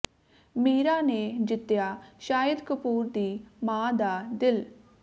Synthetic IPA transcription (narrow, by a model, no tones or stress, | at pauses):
miːɾaːneːd͡ʒɪt̪ːjaːʃaːjəd̪kəpuːɾd̪iːmãːd̪aːd̪ɪl